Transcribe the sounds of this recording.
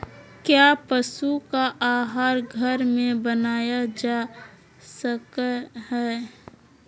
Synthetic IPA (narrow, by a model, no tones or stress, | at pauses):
kjaːpəsukaʔaːɦaːɾɡʱəɾmẽbənaːjad͡ʒa | səkhɛː